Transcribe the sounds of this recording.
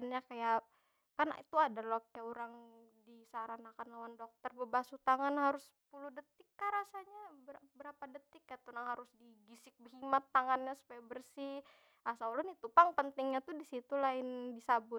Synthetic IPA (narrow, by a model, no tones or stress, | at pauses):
ənɲakaja | kanit̪uadalokajauɾaŋdisaɾanakanlawandɔk̚t̪ərbəbasut̪aŋanhaɾʊs | puludət̪ɪkːaɾasaɲabəbəɾapadət̪ɪkːajat̪unaŋɦaɾʊsdiɡisɪk̚bəɦimat̪ːaŋanɲasu̥pajabərsi | asaulɔnit̪upaŋpənt̪ɪŋɲat̪udisit̪ulaɪndisabʊ